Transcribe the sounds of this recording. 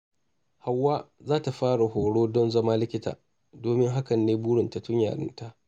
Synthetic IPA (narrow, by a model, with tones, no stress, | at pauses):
ha˨wːaː˦zaː˦ta˨ɸaː˦ɽa˨ɦoː˨ɽoː˦dɔ˦nzɐ˦maː˦lɪ˦kʲɪ˦ta̰ː˨ | doː˨mɪ˦ŋɦa˦kɐ˨nːeː˦buː˦ɽɪ˨nta˨tʊ˦ɲja̰ː˨ɽɪ̰˦nta˦ʔ